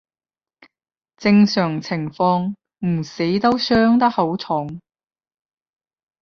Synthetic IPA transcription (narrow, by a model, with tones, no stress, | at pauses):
t͡sɪ˧ŋsœː˨˩ŋt͡sʰɪ˨˩ŋfɔː˧ŋ | m̩˨˩si˨˥jt̪o˥wsœː˥ŋt̪ɐ˥k̚ho˨˥wt͡sʰʊ˨˥ŋ